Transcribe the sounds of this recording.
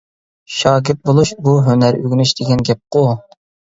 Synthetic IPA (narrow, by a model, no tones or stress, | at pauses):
ʃɑːɡʲɪt̪̚bolˠuʃbuɦønæɾø̰ɡʲnyʃd̪̥ɪɡʲɛnɡʲɛp̚qo